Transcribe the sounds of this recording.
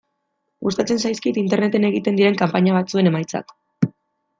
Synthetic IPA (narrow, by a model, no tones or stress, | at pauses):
ɡust̪at͡se̞nsajskit̪int̪e̞ɾne̞t̪e̞ne̞ɣit̪e̞nd̪iɾe̞ŋkampaɲaβ̞at͡sue̞ne̞majt͡sa̰k